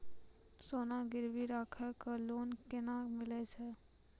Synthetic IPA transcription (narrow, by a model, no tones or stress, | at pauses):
soːnaɡɪɾbiɾaːkʰəkəloːnkɪnamɪlɛt͡ʃʰɛ